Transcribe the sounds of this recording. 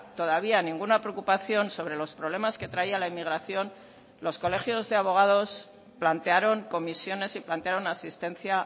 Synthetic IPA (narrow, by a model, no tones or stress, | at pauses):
t̪o̞ðaβ̞ianĩŋɡunapɾeokupaθjo̞nso̞β̞ɾe̞lo̞spɾoβle̞maske̞t̪ɾaialaimiɣ̞ɾaθjo̞n | lo̞sko̞le̞xjo̞zðe̞aβ̞o̞ɣ̞að̞o̞s | plant̪e̞aɾo̞ŋko̞misjo̞ne̞siplant̪eaɾo̞nasist̪e̞nθja